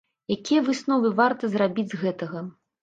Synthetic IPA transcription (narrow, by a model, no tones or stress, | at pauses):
jakʲijɐvɨsnɔvɨvart̪ɐzrabʲid͡zʲzɣɛt̪ɐɣɐ